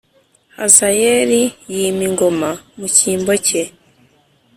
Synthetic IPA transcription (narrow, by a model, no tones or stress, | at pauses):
hazajeɾijiːmiŋɡo̞mamuciːmbo̞ce